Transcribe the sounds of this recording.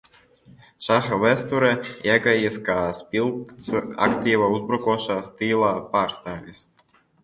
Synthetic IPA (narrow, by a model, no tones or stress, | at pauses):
ʃaxavɛst̪uɾɛɛɡajiskaːspʲilˠkt̪sa̰kt̪ʲiːvauzbɾɔkuɔʃaːst̪iːlˠaːpaːɾst̪aːvʲis